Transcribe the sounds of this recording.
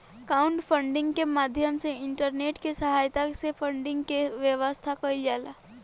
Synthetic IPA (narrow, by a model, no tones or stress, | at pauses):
kaːʊ̃ɳʈpʰə̃ɳɖɪ̃ŋɡkemaːd̪ʱjəmseɪ̃ɳʈəɾneːʈkesəɦaːjt̪asepʰə̃ɳɖɪ̃ŋɡkeʋjəʋəst̪ʰakɐid͡ʒaːlaː